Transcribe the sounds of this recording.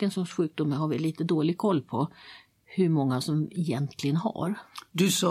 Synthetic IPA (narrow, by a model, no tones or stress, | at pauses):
ənsɔʂɧʉ̟ːk̚d̪ʊmːəɾɦaɾvɪliːt̪əd̪oːlɪɡ̚kʰɔlːpʰɔ | hɵɾmɔŋːasɔmɛjɛnt̪ʰlɪɡənɦa̰ɾd̪ɵsɑ